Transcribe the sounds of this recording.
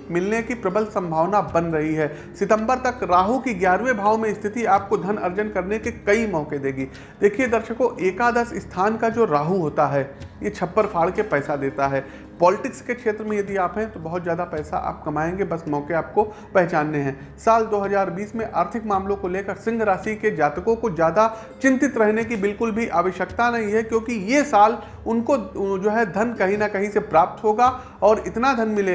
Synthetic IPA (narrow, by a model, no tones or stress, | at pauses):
mɪlnekipɾɐbəlsɐ̃mbʱaːʋnabɐ̃nd̪ɾɐɦiɦɛː | sɪt̪ə̃mbəɾt̪ɐkɾaːɦukiɡjaːɾʋebʱaːʋmẽɪst̪ʰɪt̪iaːp̚kod̪ʱɐnɐɾd͡ʒənkɐɾnekekɐimɔːked̪eːɡiː | d̪̥eːkʰied̪ɐɾʃəkõʔeːkad̪ɐsɪst̪ʰaːnkad͡ʒoːɾaːɦuɦoːt̪aɦɛːjet͡ʃʰɐpːəɾpʰaːɭkepɛːsad̪eːt̪aɦɛː | pɔːlɪʈɪkskekʃeːt̪ɾəmẽjɐd̪iaːpɦɛ̃t̪obɐɦʊt̪zjaːd̪apɛːsa̰ʔa̰ːp̚kɐmaːẽːŋɡebɐsmɔːkeaːp̚ko | pɛɦt͡ʃaːnːeɦɛ̃ː | saːld̪oːɦɐzaːɾbiːsmẽʔaːɾt̪ʰɪkmaːmlõkoleːkəɾsɪ̃ŋɡʱɾaːsiked͡ʒaːt̪əkõkozjaːd̪a | t͡ʃɪ̃nt̪ɪt̪ɾɛɦnekibɪlkʊlbʱiʔaːʋəʃjəkt̪anɐɦĩɦɛkjõːkijesaːl | ʊnkod͡ʒoːɦɛd̪ʱɐnkɐɦĩnɐkɐɦĩsepɾaːp̚t̪ɦoːɡa | ɔːɾɪt̪nad̪ʱɐnmɪle